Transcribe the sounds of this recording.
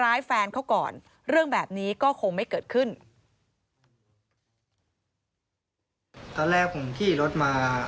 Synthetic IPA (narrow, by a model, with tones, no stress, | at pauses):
ɾaː˦˥jfɛː˧nkʰa˥wkɔ̰ː˨˩n | ɾɯ˥˩əŋbɛː˨˩p̚niː˦˥kɔː˥˩kʰo˧ŋma˥˩jkɤː˨˩t̪̚kʰɯ˥˩n | t̪ɔː˧nlɛː˥˩k̚ʰːo˨˩˦ŋt̪ʰiː˥˩ɾo˦˥t̪̚maː˧